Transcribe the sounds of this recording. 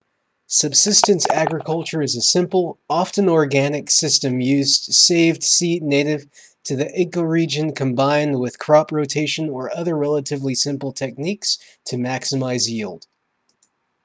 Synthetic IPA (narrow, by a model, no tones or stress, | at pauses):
sɨb̥sɪstɨ̃nsæɡɹɨkʰʌlˠt͡ʃə˞ɨzɨsɪ̃mpl̩ˠɑfɨ̃nɔɹɡænɨksɪstɨ̃mjʉzseɪvd̥sidⁿneɪɾɪv̥ | tʰɨðiʔɪɡoʊɹid͡ʒɨ̃nkʰɨ̃mbãɪ̃nd̚wɪð̥kʰɹ̥ɑpɹoʊtʰeɪʃɨ̃nə˞ʔʌðə˞ɹɛlˠəɾɨvlisɪ̃mpl̩ˠtʰɛk̚niks | tʰɨmæksɨmaɪzjilˠd̥